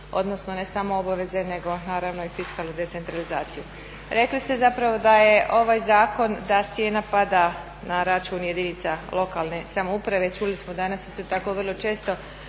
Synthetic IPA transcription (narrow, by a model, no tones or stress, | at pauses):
o̞̰d̪no̞sno̞ne̞samoobaʋe̞ze̞ne̞ɡo̞naːɾaʋno̞ifiskaːlˠnud̪e̞t̪se̞nt̪ɾalizaːt̪siju | ɾe̞klist̪e̞zapɾaʋo̞d̪ajeʔo̞ʋaːjzaːko̞nd̪at̪sje̞ːnapad̪a | naɾat͡ʃuːnje̞d̪init̪salo̞kaːlne̞samoupɾaʋe̞t͡ʃulismod̪anasist̪o̞t̪ako̞ʋərlˠo̞t͡ʃe̞ːst̪o̞